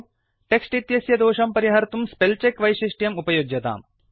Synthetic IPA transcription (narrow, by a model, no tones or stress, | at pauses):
ʈeksʈit̪jɐsjɐd̪oːʂɐmpɐɾiɦɐɾt̪umspelt͡ʃekʋɐjʃiʂʈjɐmupɐjoɡjɐt̪a̰ːm